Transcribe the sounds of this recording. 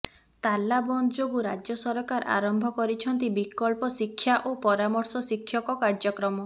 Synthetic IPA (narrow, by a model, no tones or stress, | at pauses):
t̪alːabɔnd͡ʒoɡuɾad͡ʒjɔsɔɾɔkaɾʔa̰ɾɔmbʱɔkɔɾit͡ʃʰɔnt̪̬ibikɔlpɔsikʰːjaʔopɔɾamɔɾsɔsikʰːjɔkɔkaɾd͡ʒɔkɾɔmɔ